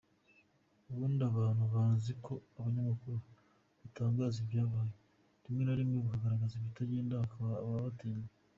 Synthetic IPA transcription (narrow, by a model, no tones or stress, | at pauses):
uβuːndaβaːnhuβaːnziko̞aβaɲamakuɾu | βitaːŋɡaːzivjaːβaːje | ɾimŋe̞naɾimŋeβukaɡaɾaɡaziβjitaɟeːndahakaβaβaβateːɲe